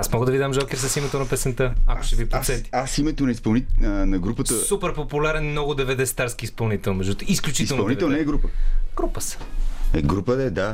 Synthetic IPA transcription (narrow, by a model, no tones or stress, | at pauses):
asmɔɡəd̪ɐvid̪amʒalkɛɾs̬ɐsimɛt̪onɐpɛsɛnt̪əa̰ko̥ʃɛvipɾosɛt̪i̥asimɛt̪onɐispɐlˠninɐnɐɡɾupət̪əsupɛɾpopulʲaɾɛnmnɔɡʊd̪ɛvɛd̪ɛst̪aɾsk̟iːspɐlˠnit̪ɛlˠmɛʒut̪isklʲut͡ʃiisɛlˠnpɐolˠnivɛlˠnɛɡɾupəɡ̥ɾupəsə̥ɛɡɾupəɛd̪a